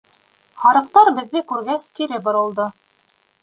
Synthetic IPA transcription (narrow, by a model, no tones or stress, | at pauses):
hɑɾɤ̆qt̪ɑɾbɘ̆ðːɘkʉɾɡæskiɾɘbŏɾɤ̆lˠd̪ɤ